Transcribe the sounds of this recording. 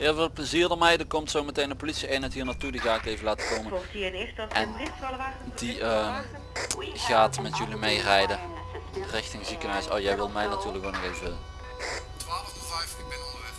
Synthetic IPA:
ɦɪːlˠvɪːlˠpləziːrdɔmɛjdəkɔmtsowmətejnəpolitsiejnɛtɦiːrnaːtudiɣaːkejvəlaːtə̥kowməoftiənɪstʔɛnɪdiə | ɣaːtmɛtjɵlimejrɛjdə | rɪxtɪŋzikənɦœɥso̰wjɛjʋɪlˠmɛjnatyːrləkʋonɔɣejvə | tʋaːləvfɛjftɪmɪdlˠ

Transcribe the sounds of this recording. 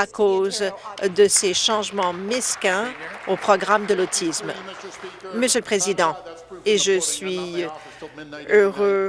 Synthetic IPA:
akozd̪əseʃɑ̃ʒmɑ̃mɛskʲɛ̃opχɔɡʁamd̪əlot̪ʰism | məsjøləpχezid̪ɑ̃ | eʒəsɥi | øʁø

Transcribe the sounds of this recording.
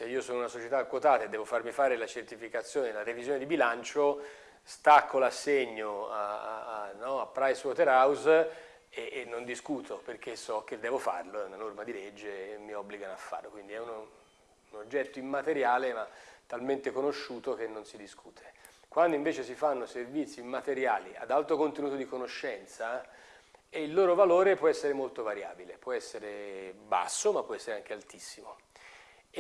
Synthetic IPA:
seiːosoːnounasot͡ʃet̪aːkːwot̪aːt̪aed̪ːɛːvofarmifaːɾelat͡ʃert̪ifikat̪sːjoːnelaɾevizjoːned̪ibilant͡ʃo | st̪akʰːolasːeɲːoaaanːɔapːɾajswɔt̪eɾaws | eːnːond̪iskuːt̪ʰoperk̟ʰesːɔk̟ːed̪ːɛːvofa̰rloɛunanormad̪ilɛd͡ʒːeːmːiɔbːliɡanoafːa̰rlokwind̪iɛun | unod͡ʒːɛt̪ːoimːat̪eɾjaːlemat̪ːalment̪ekonoʃːuːt̪ok̟enːonsid̪iskʰuːt̪ʰe̥ | kwand̪oiɱveːt͡ʃes̬ifanːoservit̪sːiːmːat̪eɾjaːlia̰d̪alt̪okont̪enuːt̪od̪ikonoʃːɛnt̪sa | eilːoːɾovaloːɾepwɔɛsːeɾemolt̪ovaɾja̰ːbilepwɔɛsːeɾeba̰sːomapːɔɛsːeɾeaŋk̟ealt̪isːimo

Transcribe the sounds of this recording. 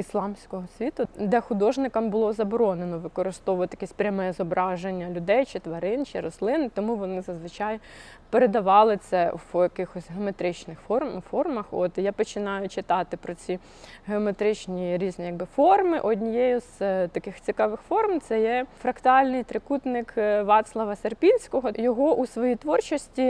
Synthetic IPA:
islˠɑmsʲkɔɦɔsʲʋʲit̪ʊd̪ɛxʊd̪ɔʒnɪkɐmbʊlˠɔzɐbɔɾɔnenɔʋɪkɔɾɪst̪ɔʋɔt̪jɐkʲɛsʲpɾʲɐmɛɛzɔbɾɑʒenʲːɐlʲʊd̪ɛjt͡ʃɪt̪ʋɐɾɪnt͡ʃɪɾɔslˠɪnɪt̪ɔmuʋɔnɪzɐzʋɪt͡ʃɑj | peɾed̪ɐʋɑlˠɪt̪sɛjɐkɪxɔsʲɦeɔmet̪ɾɪt͡ʃnɪxfɔrmfɔrmɐxɔt̪ijapɔt͡ʃɪnɑjʊt͡ʃɪt̪ɑt̪ɪpɾɔt͡sʲi | ɦeɔmet̪ɾɪt͡ʃnʲiɾʲiznʲijɐɡ̚bɪfɔrmɪʔɔdʲnʲijɛjʊst̪ɐkɪxt͡sʲikɑʋɪxfɔrmt̪sɛjɛfɾɐkt̪ɑlʲnɪjt̪ɾɪkut̪nɪkʋɑt̪slˠɐʋɐserpʲinʲsʲkɔɦɔjɔɦɔʔusʋɔjit̪ʋɔrt͡ʃɔsʲtʲi

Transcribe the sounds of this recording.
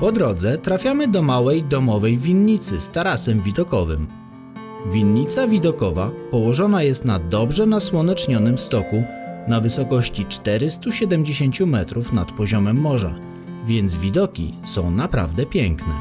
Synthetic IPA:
pɔd̪ɾɔd̪zɛt̪ɾafʲjamɘd̪ɔmawɛjd̪ɔmɔvɛjvʲinɲit̪sɘst̪aɾasɛmvʲid̪ɔkɔvɘ̰m | vʲinɲit̪savʲid̪ɔkɔva̰pɔwɔʐɔnajɛst̪nad̪ɔbʐɛnaswɔnɛt͡ʂɲɔnɘmst̪ɔkunavɘsɔkɔɕt͡ɕit͡ʂt̪ɛɾɘst̪uɕɛd̪ɛmd͡ʑeɕeɲt͡ɕumɛt̪ɾufnat̪pɔʑɔmɛmːɔʐa̰ | vʲjɛnd̪zvʲid̪ɔkʲḭsɔ̃w̃napɾa̰vd̪ɛpʲjɛŋknɛ̰

